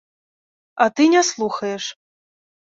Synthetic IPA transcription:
at̪ɨnʲɛslˠuxɐjɛʂ

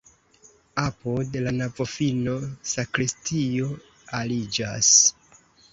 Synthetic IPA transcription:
apodlanavofino̞sakɾistio̞ | alid͡ʒa̰s

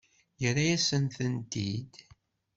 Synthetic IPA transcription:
jəɾajæsənθənt̪id̪

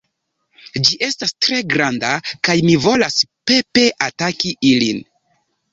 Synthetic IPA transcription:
d͡ʒiʔe̞stastɾe̞ɡɾandakajmivo̞laspe̞pe̞ʔatakiʔilin

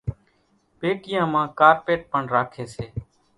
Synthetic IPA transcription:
peːkɪjãːmãːkaːɾpeːʈ̚pəɳɾaːkʰeːseː

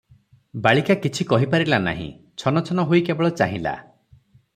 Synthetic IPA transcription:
baɭikakit͡ʃʰikɔɦipaɾilana̰ɦḭ̃ | t͡ʃʰɔnɔt͡ʃʰɔnɔɦojkebɔɭɔt͡ʃaɦĩla̰

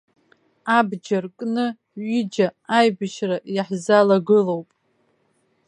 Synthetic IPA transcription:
abd͡ʒarkʼnɨ | ɥid͡ʒaajbɨʃrajaħzalaɡɨlowpʼ

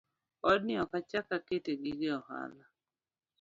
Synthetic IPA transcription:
ɔdnɪɔkat͡ʃakaketeɡɪɡɪɔha̰la

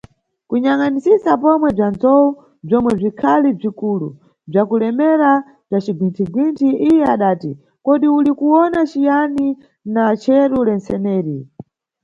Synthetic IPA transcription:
kuɲaŋanisisapɔmwɛb͡ʐand͡zɔu | b͡ʐɔmwɛb͡ʐikʰalib͡ʐikulṵ | b͡ʐakulɛmɛɾa | b͡ʐat͡ʃiɡwintʰiɡwintʰiijɛaɗaːti | kɔɗiulikuwɔnat͡ʃijani | nat͡ʃʰɛɾulɛnsɛnɛːɾi

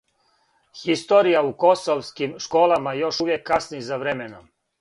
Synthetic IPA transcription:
xist̪oɾijauko̞soʋskimʃko̞ːlˠamajo̞ʃuʋjekːasnizaʋɾemenom

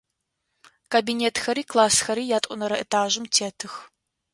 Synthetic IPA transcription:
kʰabinʲeːtxɐɾiːkʰlˠaːsxɐɾiːjaːtʼʷʊnɐɾɐḛtʰaːʒɨmtʰeːtʰɨx

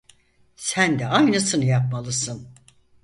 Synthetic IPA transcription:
sænd̪ɛajnɯsɯnɯjap̚malˠɯsɯn

